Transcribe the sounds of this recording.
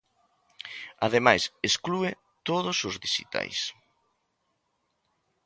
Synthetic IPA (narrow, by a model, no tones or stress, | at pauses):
aðemajsesklue | t̪oðʊsʊzðiʃḭt̪a̰js